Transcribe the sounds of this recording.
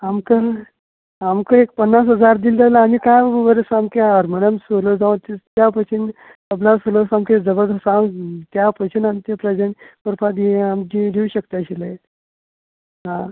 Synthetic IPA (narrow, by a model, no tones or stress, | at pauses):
amkə | amkəek̚pənːas̬ɦəd͡zaɾd̪ild̪alaamikajʋəɾesamkeaɾmənəmsolod͡zaʋut̪it̪japət͡ɕʰin | pəblasolosamked͡zəbəɾd̪əsãŋt̪japət͡ɕʰinant̪jəpɾəd͡ʑenpəɾpʰad̪iamd͡ʑiɾiuɕək̚t̪eəɕilae | ɦã